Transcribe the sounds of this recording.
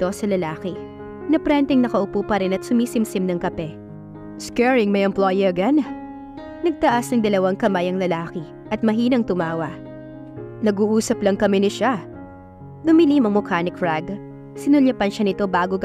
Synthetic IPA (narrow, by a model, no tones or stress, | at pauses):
t̪o̞sɐlɐlaːkɪ | nɐpɾɛnt̪ɛŋnɐkɐʔʊpuːpɐɾɪnɐt̪sʊmiːsɪmsɪmnɐŋkɐpɛ | skɛɹɪŋmɐjɛmplojɛɡɐn | nɐɡ̚t̪ɐʔasnɐŋd̪ɐlɐwaŋkɐmajɐŋlɐlaːkɪ | ʔɐt̪̚mɐɦiːnɐŋt̪ʊmaːwɐ | nɐɡuːʔuːsɐplɐŋkɐmɛnɪʃa | d̪ʊmɪlimɐŋmʊkaːnɪkfɹaɡ | sɪnʊlɐpɐnʃɐnɪt̪o̞baːɡoɡ